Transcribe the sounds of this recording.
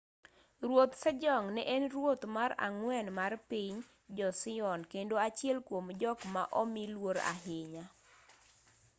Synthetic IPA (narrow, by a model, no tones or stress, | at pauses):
rwot̪sɛd͡ʒɔŋnɛʔɛnrwot̪maɾa̰ŋwɛnmarpiɲ | d͡ʒɔsɪɔnkendoat͡ʃjɛlkwomd͡ʒɔkma̰ʔɔmilwoɾa̰ɦɪɲa